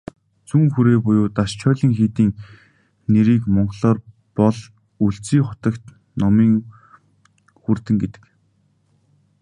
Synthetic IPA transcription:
t͡suːŋxuɾeːpʊjʊːt̪aʃt͡ɕʰɔːɮiːŋxeːt̪iːŋ | neɾiːkmɔɴɢɮɔːr | pɔɮ | uɬt͡siːχʊt̪ə̆kt̪ | nɔmiːŋ | xurt̪ɘ̆ŋɡet̪ɘ̥̆k

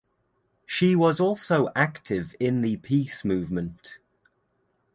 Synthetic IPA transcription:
ʃiwɒzɔˑlˠsoʊʔaktʰɪvɪ̃nðəpʰiˑsmʉːvmə̃nt

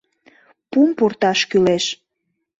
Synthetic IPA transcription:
pumport̪ɑʃkyleʃ

